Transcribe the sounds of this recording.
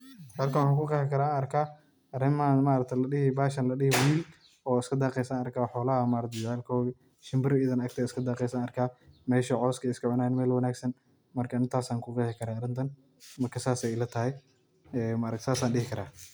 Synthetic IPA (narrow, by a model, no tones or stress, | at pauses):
hɐlkʰɐwʊħaːŋkʰʊqɛħɪkɐɾaːaːnɐrkʰaː | ʔɐrɪmɐɐnmaːɾɐk̚t̪ʰɛlɐɗɪɦɪbaːʃɐnlɐɗɪhɪwiːl | ɔːɪskʰɐd̪aːqɛjsanɐrkʰaːħɔːlɐɦɐmaːɾɐkt̪ʰd͡ʒʕaːlkʰɔːɣɛ | ʃɪmbɪɾɪɪðɐnɐk̚t̪ʰɛɪskʰɐd̪aːqɛjsaːnɐrkʰaːmɛːʃɐʕɔːskʰɛjɪskʰɐʕʊnaːnmɛːlwɐnaːɡsɐn | mɐrkʰɐɪnt̪ʰaːsaːŋkʰʊqɛːħɪkʰɐɾaːɐɾɪnt̪ʰɐn | mɐrkʰɐsaːsɛlɐt̪ʰɐɦɛj | ɛːmaɾɐk̪saːsaːnɗɪhɪkʰɐɾaː